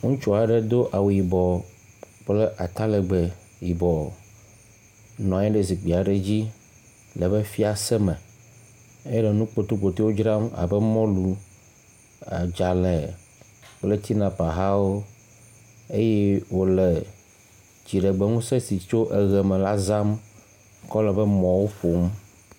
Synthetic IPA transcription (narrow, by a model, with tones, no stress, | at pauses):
ŋũ˦t͡ʃɔ˨a˨ɖɛ˦d̪o˦ʔa˨wu˨ji˨bɔ˨ | k͡ple˦ʔa˨t̪a˦lɛ˨ɡ͡bɛ˨ | ji˨bɔ˨ | nɔ̃˨˦ɛ̃˦ɖe˦zi˨ɡ͡bi˨a˨ɖe˦d͡ʑi˦ | lə˨be˦fi˦a˨sɛ˦mɛ̃˨ | e˦jɖe˨nũ˦k͡po˨t̪o˦ɡ͡bo˨t̪e˦wo˦d͡ʒɾa˦m˦a̰˨bɛ˦mɔ̃˦lu˨ | a˨d͡ʒa˨lɛ˨ | wo˦le˨t̪i˦nã˨pa˨ɦa˦wo˦ | e˦je˦wo˦le˨ | d͡ʑi˨ɖɛ˨ɡ͡be˦ŋũ˦se˦si˨t͡ʃo˦ʔe˨ɣɛ˨mẽ˨la˦za˦m˦ | kɔ˦lɛ˨bɛ˦mɔ̃˨wo˦ɸo˨m